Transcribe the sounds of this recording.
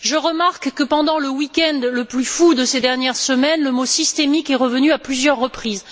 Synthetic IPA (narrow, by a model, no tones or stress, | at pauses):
ʒəʁəmaʁkːəpɑ̃d̪ɑ̃ləwikʲɛ̃nd̪ləplyfud̪əsed̪ɛʁnjɛʁsəmɛnləmosist̪emikɛʁəvənyaplyzjœʁːəpχiz